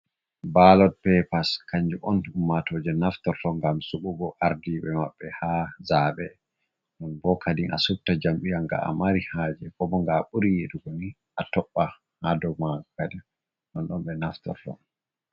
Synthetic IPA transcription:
balɔd̚pɛpaskaɲd͡ʒuʔɔnumːatod͡ʒɛnaftɔɾtɔŋɡamsuɓubɔʔaɾdiɓɛmaɓːɛhazaːɓɛ | ɗɔnbɔkʰadiŋʔa̰sup̚tad͡ʒamɓijaŋɡa̰a̰maɾihaːd͡ʒɛkɔbɔŋɡaɓuɾijeduɡoni | ʔatɔɓːa | hadɔmaɡɔkadɛ | ɗɔnɗɔnɓɛnaftɔ̰ɾtɔ̰n

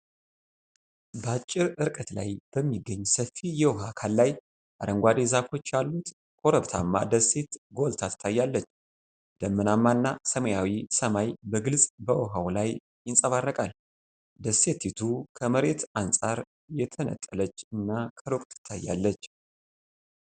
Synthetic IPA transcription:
bəat͡ʃʼːɪɾɨɾkʼət̪la̰jb̥əmːiɡːəɲːsəfijɛwɔɦakʰalːaj | ʔa̰ɾəŋɡʷad̪ezafo̞t͡ʃːjalːut̪ | kʼo̞ɾəβt̪ʰamːa̰d̪əse̞t̪ɡo̞lt̪ʰat̪ʰɨ̥t̪ʰːajːalːət͡ʃː | d̪̥əmːɨnamːanːasəməjawisəmajbəɡɨlsʼbəwɔɦawlaj | jɪnsʼəβarːəkʼal | d̪əse̞t̪ʰːit̪ʰukʰəməɾe̞t̪ansʼaɾ | jɛt̪ʰənə̰t̪ʼːələt͡ʃːɨnːakʰəɾokʼt̪ʰɨ̥t̪ʰːajːa̰lːət͡ʃː

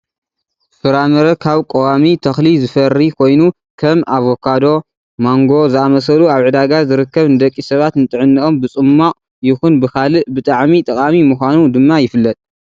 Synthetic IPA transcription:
fɨɾamɐɾɐkʰaβkʼowamit̪ʰɐxlizɨfɐrikʰo̞jnu | kʰɐmaβokʰad̪o̞ | moŋɡo̞zɨamɐs̬ɐluaβʕɨd̪aɡazɨɾɨkːɐβnɨd̪ɐkʼːisɐβat̪nɨt̪ʼɨʕɨnːɨʔo̞mbɨt͡sʼɨmːaʔ | jɪxunbɨkʰalɨʔbɨt̪ʼaʕmit̪ʼɐkʼamimuxʷanud̪ɨmːajɪfɨlːɐt̪ʼ

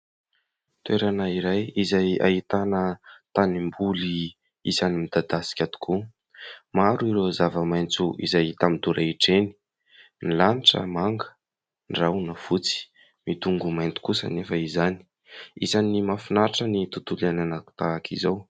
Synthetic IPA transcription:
t̪ueɾanaiɾajizaja̰ɦit̪anət̪animbuli | izanimid̪ad̪asi̥kʲad̪u̥kʰu | maɾuiɾozavəmajnt͡suʔḭzajt̪amid̪uɾʔaiʈ͡ʂeni̥ | nilaniʈ͡ʂə̰maŋɡə̥ | nrawnav̥ut͡si̥ | mit̪uŋɡumajnt̪u̥kusə̰nefəizani̥ | izanimafinaɾʈ͡ʂənit̪ut̪ulananaku̥t̪aːkʰḭzaw

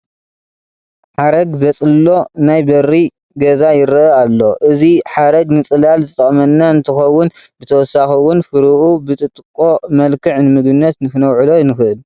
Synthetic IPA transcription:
ħaɾɐɡzɐt͡sʼɨlo̞najbɐrːi | ɡɐzajɪɾʔɐalːo̞ʔɨziħaɾɐɡnɨt͡sʼɨlalzɨt̪ʼɐχʼmɐnːaɨnt̪ʰɨxɐwːʊn | bɨt̪ʰɐwɔsaxɐwʊnfɨɾɨʔubɨt̪ʼɨt̪ʼɨkʼːo̞mɐlkɨʕnɨmɨɡɨnːɐt̪nɨkɨnɐwʕɨlonɨxɨʔɨl

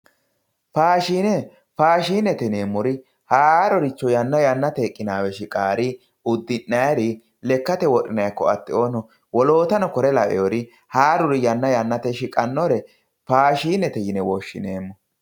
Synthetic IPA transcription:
faːʃiːnɛ | faːʃiːnːɛt̪ɛneːmːʊɾɪ | haːɾɔɾɪt͡ʃːɔjɐnːɐjɐnːɐt̪ekʼːɪnaːwɛʃɪkʼaːɾɪ | ʊd̪ːɪnːɐjɾɪ | lɛkːɐt̪ɛwɔɗɪnɐjkːɔɐt̪ːɪoːnɔ | wɔlo̞ːt̪ɐnɔkɔɾɛlɐʔɛ̰ɔɾɪ | haːɾʊɾɪjɐnːɐjɐnːɐt̪ɛʃɪkʼɐnːɔɾɛ | faːʃiːnːɛt̪ɛjɪnɛwɔʃːɪ̰neːmːɔ

